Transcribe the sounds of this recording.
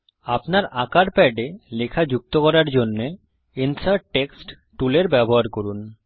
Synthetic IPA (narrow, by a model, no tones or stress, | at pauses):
apnaɾakaɾpɛɖelekʰad͡ʑuk̚t̪okɔɾaɾd͡ʑonːe | insaɾʈʈːeksʈ | ʈuleɾbɛboɦaɾkoɾun